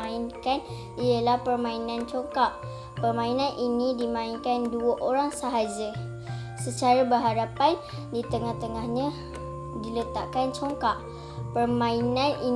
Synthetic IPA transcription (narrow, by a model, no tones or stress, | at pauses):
ainkan | iəlahpərmãinãnt͡ʃɔŋkaʔ | pərmãinãnʔinĩdimãinkanduəʔoɾaŋsəɦad͡ʒə | sət͡ʃaɾabəɦaɾapan | dit̪əŋaht̪əŋahɲã | dilət̪aʔkant͡ʃoŋkaʔ | pərmãinãni